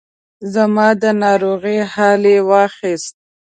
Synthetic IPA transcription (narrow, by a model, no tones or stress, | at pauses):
zamɑd̪ənɑɾoɣihɑlewɑxist̪̚